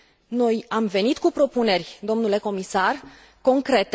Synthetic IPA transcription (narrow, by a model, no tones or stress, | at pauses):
no̞jamve̞nit̪kupɾo̞pune̞rʲd̪o̞mnule̞ko̞misar | ko̞ŋkɾe̞t̪